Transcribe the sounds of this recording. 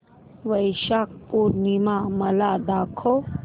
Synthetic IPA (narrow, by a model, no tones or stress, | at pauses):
ʋəjʃaːk̚puɾnimamɐlad̪aːkʰo